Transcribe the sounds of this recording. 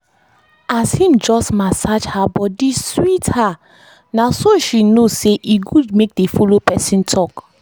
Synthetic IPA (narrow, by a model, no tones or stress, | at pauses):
ashĩmd͡ʒɔstmasad͡ʒhabɔdiswitha | nasoʃinoseʔiɡudmek̚defolopɛsĩntʰɔk